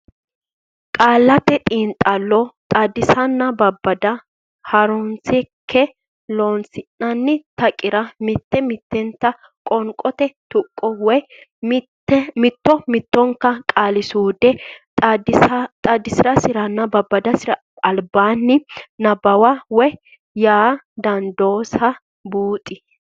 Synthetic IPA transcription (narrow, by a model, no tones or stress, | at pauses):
kʼaːlːɐt̪ɛt̪ʼiːnt̪ʼɐlːɔt̪ʼɐd̪ɪsɐnːɐbɐbːɐd̪ɐ | hɐɾɔnsɪkʰːɛ | loːnsɪnːɐnːɪt̪ɐkʼːɪɾɐmɪt̪ːɛmɪt̪ːɛnt̪ːɐ | kʼɔŋkʼɔt̪ɛt̪ʊkʼːɔwɔ | mɪt̪ːɔmɪt̪ːɔŋkːɐkʼaːlɪsuːd̪ɛ | d̪t̪ʼɐd̪ɪsɪɾɐsɪɾɐnːɐbɐbːɐd̪ɐsɪɾɐ | ɐlbaːnːɪnɐbɐwɐwɔj | jaːd̪ɐnd̪o̞ːsɐ | buːt̪ʼːɪ